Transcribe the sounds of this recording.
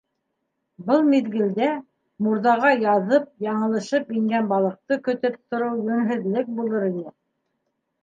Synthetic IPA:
bɤlˠmiðɡɘ̆ld̪æ | muɾðɑʁɑjɑðɤp̚jɑɴɤ̆lˠɤ̆ʃɤpiŋɡænbɑlˠɤ̆q̚t̪ɤkɵ̆t̪ɘp̚t̪ŏɾɤwjɵ̆mɦɘ̆ðlɘk̚bulˠɤɾinɘ

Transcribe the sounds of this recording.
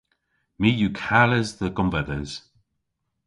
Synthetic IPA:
mijukʰaləzðəɡɔmvɛðəz̥

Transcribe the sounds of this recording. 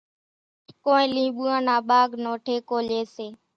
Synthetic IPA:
koːẽːlĩːɓuːãːnaːɓaːɡnoːʈʰeːkoːleːseː

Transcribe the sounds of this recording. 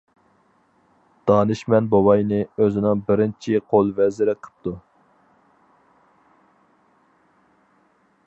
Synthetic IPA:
d̪̥ɑːnɨʃmɛnbowɑjnɨøzɪnɪŋbɪɾɪnt͡ʃʰiqʰolˠvɛzɪɾɛqʰə̥p̚t̪ʰu

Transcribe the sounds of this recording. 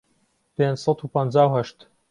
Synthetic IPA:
pend͡ʒsɑt̪upənd͡ʒaːwhɐʃt̪

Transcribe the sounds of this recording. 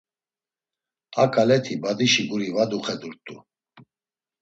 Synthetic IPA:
akʼalɛt̪ʰibad̪iʃiɡuɾivad̪uχɛd̪uɾt̪ʼu

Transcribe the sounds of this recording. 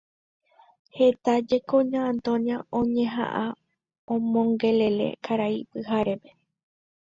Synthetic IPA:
he̞t̪ad͡ʒe̞kõɲãːnt̪õnjaõ̞ɲẽ̞ɦã̰ʔa | õmõŋɡe̞le̞le̞̰kʰaɾaipɨhaɾe̞pe

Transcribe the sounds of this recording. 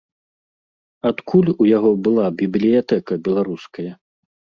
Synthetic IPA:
at̪kʰulʲujaɣɔbɨlˠabʲiblʲijat̪ɛkɐbʲɛlˠaɾuskɐjɐ

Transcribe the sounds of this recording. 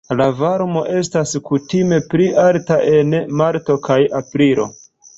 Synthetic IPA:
lavaɾmo̞ʔe̞staskutime̞pɾialtaʔe̞nmaɾto̞kajapɾilo̞̰

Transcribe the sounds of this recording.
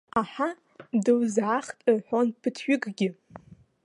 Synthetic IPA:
aħa | dɨwzʕaχtʼɨrħonpʰɨtʰɥʷᶣʏɡʼɡʲɪ

